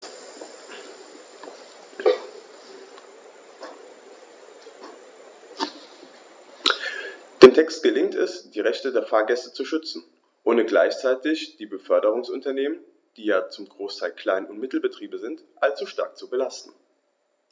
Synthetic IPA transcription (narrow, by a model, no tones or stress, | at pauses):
d̥eːntʰɛkstɡ̥əlɪŋtʰɛsd̥iːʁɛçtədeːɐfaːɐɡɛstət͡suʃʏt͡sn̩ | ʔoːnəɡla̰ɪçt͡saɪtɪçd̥iːbəfœɐdəʁ̞ʊŋsʊntɐneːmən | d̥iːjaːt͡sʊmɡʁoːstʰaɪlkl̥aɪnʊntmɪtl̩bətʁ̥iːbəzɪntʔalt͡suʃta̰ɐk̚t͡subəlastn̩